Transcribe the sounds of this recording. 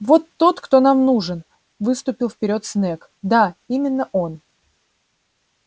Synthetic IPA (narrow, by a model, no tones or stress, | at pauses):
vo̞t̪ːo̞t̪kt̪o̞namnuʐɨn | vɨst̪ʊpʲɪlˠfpʲɪɾʲo̞t̪snɛk | d̪aimʲɪnːəʔo̞n